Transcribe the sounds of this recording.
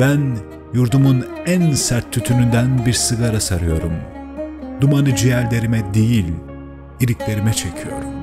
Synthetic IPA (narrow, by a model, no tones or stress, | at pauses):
b̥æn | juɾd̪umunænsæɾt̪ʰːyt̪ʰynynd̪ænbiɾsɯɡaɾasaɾɯjo̞ɾum | d̪umanɯd͡ʒijæɾd̪ʲe̞ɾimɛd̪ejilʲ | iɾiclʲe̞ɾimɛt͡ʃʰe̞cʰijo̞̰ɾum